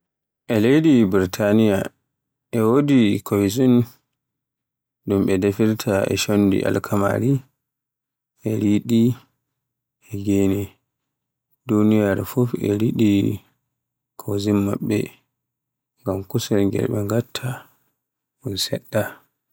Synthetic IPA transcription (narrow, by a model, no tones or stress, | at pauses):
ʔɛlejdibiɾtʰanija | ʔɛwodikʰojzun | ɗumɓɛdefiɾtʰaɛ̰ʃonːdḭʔa̰lkʰama̰ɾi | ʔɛɾiɗi | ʔɛɡeːnɛ | dunijaɾɛfufɛ̰ɾiɗi | kʰowzinmːa̰ɓːɛ̰ | ŋɡamkusɛlŋɡɛ̰lɓɛŋɡatʰːa | ɓunsɛɗːa